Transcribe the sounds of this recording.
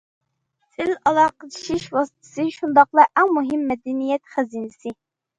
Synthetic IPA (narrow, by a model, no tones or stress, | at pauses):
sʰɪlɑlˠɑːqət͡ʃʰi̥ʃiʃwɑsɨ̥t̪ʰɨ̥sɨʃund̪ɑqlˠɑʔæŋmuɦɪmːɛd̪ɛnijɛt̪χæziːnɪsɪ